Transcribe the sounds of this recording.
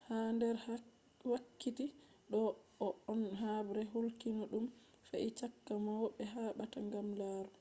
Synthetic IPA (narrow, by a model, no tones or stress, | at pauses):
handɛɾ | wakːiti | ɗɔɔɔnɦabɾɛɦulkinɔɗum | faʔit͡ʃakːamawɔɓɛɦaːɓataŋɡamlaːɾɔ